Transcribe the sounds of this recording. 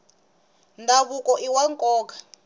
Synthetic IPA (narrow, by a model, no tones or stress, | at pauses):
ndʱaβukʼɔʔiwaŋkʼɔːkḁ